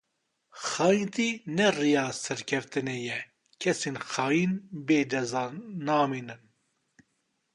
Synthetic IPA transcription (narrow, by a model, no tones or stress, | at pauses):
xɑːjint̪iːnɛrijɑːsɛɾkʰɛft̪ɨnɛjɛ | kʰɛseːnxɑːjinbeːd͡ʒɛzaːnaːmiːnɨn